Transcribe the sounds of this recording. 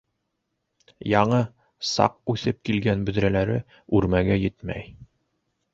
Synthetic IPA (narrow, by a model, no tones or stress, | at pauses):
jɑɴɤ | sɑ̰q̚ʉθɘp̚kilɡænbɵ̆ðɾælæɾɘ | ʉɾmæɡæjɘt̪mæ̰j